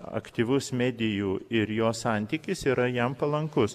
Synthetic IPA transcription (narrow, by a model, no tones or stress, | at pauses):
ɐ̰kt̪ʲiːʋʊsmʲæːd̪ʲɪjuːɪɾjoːssɑˑnʲt̪ʲiːkʲɪsiːɾɐjɛmpɐlˠɐŋkʊs